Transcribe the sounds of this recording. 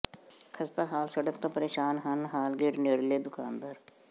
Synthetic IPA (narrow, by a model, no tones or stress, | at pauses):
kʰəst̪aːɦaːlsəɽək̚t̪õːpəɾeːʃaːnɦənɦaːlɡeːʈneːɽleːd̪ʊkaːnd̪əɾ